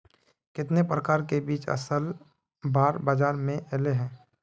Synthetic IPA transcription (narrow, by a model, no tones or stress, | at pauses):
kɪt̪nepɾəkaːɾkebiːt͡ʃə̰səl | baːɾbaːd͡ʒaːɾmẽʔɛːleɦɛ̃ː